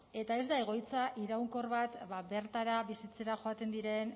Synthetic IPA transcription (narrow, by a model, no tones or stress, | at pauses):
e̞t̪ae̞zd̪ae̞ɣ̞o̞jt͡saʔiɾawŋko̞rβat̪βabe̞ɾt̪aɾaβisit͡se̞ɾaʝo̞at̪e̞nd̪iɾe̞n